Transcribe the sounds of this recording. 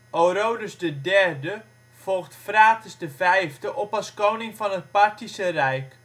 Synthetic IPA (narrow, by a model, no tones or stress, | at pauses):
oɾowdəsdədɛrdə | v̥ɔlˠxtfraːtəsdəvɛjvdəʔɔpɑskownɪŋfɑnət̚paɹtisərɛjk